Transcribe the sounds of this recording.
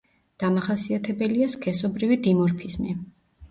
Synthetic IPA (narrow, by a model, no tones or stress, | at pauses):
d̪̥amaχasiat̪ʰɛbɛliaskʰɛsɔbɾivid̪imɔɾpʰizmi